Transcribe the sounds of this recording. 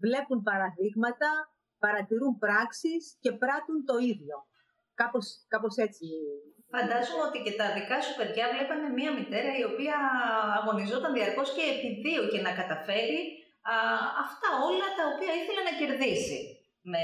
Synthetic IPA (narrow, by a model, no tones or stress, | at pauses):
vle̞pumpɐɾɐðiɣmɐt̪ɐ | pɐɾɐt̪iɾumpɾɐksisce̞pɾɐt̪unt̪o̞iðʝo̞ | kɐpo̞skɐpo̞se̞t͡si | fɐnd̪ɐzomo̞t̪ice̞t̪ɐðikɐsupe̞ðʝɐvle̞pɐnemiɐmit̪e̞ɾɐio̞piɐːɣo̞nizo̞t̪ɐnðiɐɾko̞sce̞ːpiðioce̞nɐkɐt̪ɐfe̞ɾi | ɐft̪ɐo̞lɐt̪ɐopiɐiθe̞lenɐce̞ɾðisḭ | ne